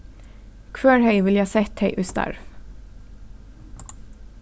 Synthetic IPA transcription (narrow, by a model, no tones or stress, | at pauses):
kʰʋøːɹhœʏʋɪljɑːsɛt̪ʰhœʏʔʉst̪ɑ̰ɹ